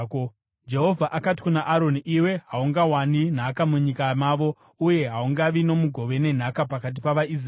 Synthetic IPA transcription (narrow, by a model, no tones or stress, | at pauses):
d͡ʒe̞ɦo̞vʱaʔakati̥kunaʔaɾo̞niʔiwe̞ɦauŋɡawanin̤akamuɲikamaːʋo̞ | uje̞ɦauŋɡaʋino̞muɡʱo̞ʋe̞ne̞n̤akapakat̬ipaʋais̬